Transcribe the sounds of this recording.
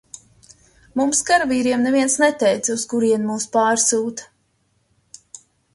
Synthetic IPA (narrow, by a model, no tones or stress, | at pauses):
mumskaɾviːɾiɛmnɛviɛnsnɛt̪ɛjt̪suskuɾiɛnmuːspaːɾsuːt̪